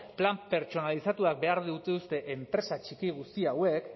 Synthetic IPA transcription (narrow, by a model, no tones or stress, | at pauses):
plampe̞ɾt͡ʃo̞nalisat̪uak̚be̞aɾðiut̪eust̪e̞ʔempɾe̞sat͡ʃikiɣ̞ust̪iawe̞k